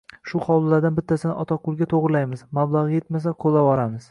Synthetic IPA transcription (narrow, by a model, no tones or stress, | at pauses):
ʃʊχɒwlˠlːaɾd̪anbɪt̪ʰːasɪnɪʔɒt̪ʰaqʰʊlˠɡʲat̪ʰoʁɾɪlajmɪzmablˠaʁje̞t̪mas̬aqʰolːabɒɾamɪz̥